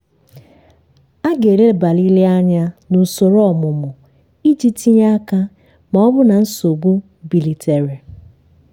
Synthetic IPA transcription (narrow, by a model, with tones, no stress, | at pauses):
a˦ɡe˨ɾe˦˨ba˨li˦li˦a˦ɲa˦nu˨so˨ɾɔ˦ɔ˨mʊ˨mʊ˨ | i˦d͡ʒi˦ti˦ɲa˦ka˦ | ma˨ɔ˦bʊ˦na˨n̩˦so˨ɡu˦ | bi˨li˨te˨ɾi˨